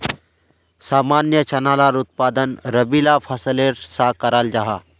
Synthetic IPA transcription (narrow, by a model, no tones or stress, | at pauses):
saːmaːnjət͡ʃɐnaːlaːɾʊt̪̚paːd̪ənɾəbiːlafʰəsəleːɾsakəɾaːld͡ʒaɦaː